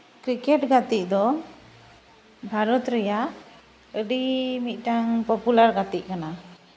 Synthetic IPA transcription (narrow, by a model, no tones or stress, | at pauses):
kɾikɛʈɡat̪iʔ̚d̪ɔ | bʱaɾɔt̪ɾɛja | əɖimit̪̚ˀʈaŋpɔpulaɾɡat̪iʔkana